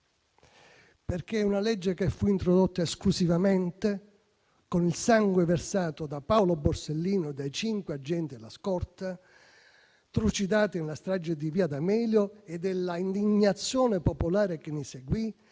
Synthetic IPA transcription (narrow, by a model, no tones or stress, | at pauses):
perk̟eunalɛd͡ʒːekefːuint̪ɾod̪ot̪ːaesklusivamɛnt̪e | konilsaŋɡweversaːt̪od̪apaoloborselːiːnod̪ajt͡ʃiŋkwead͡ʒːɛnt̪ilaskɔrt̪a | t̪ɾut͡ʃid̪aːt̪ɪnlast̪ɾad͡ʒːed̪iviːad̪amɛːljoed̪elːaind̪iɲːat̪sːjɔːnepopolaːɾekenːiseɡwi